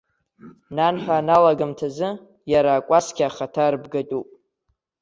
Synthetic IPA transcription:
nanħʷᶣanalaɡamtʰazɨ | jaɾaːkʷʼasɡʲʼaχatʰarbɡatʼupʼ

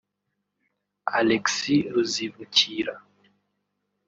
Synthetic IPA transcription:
alɛksiozivut͡ʃiɾa

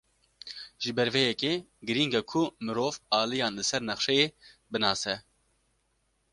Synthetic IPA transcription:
ʒ̥ɨbɛɾvɛjɛkeː | ɡɨɾiŋɡakʰʊmɨɾoːvɑːlijɑːnlɨsɛɾnɛχʃɛjeː | bɨnɑːsɛ

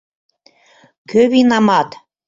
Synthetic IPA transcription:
kʰøβinɑmɑt̪

